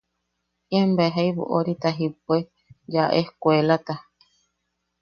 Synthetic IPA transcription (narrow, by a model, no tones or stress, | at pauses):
iembaeɦajβṵʔoɾit̪aɦipue | d͡ʒaʔehkʷelat̪a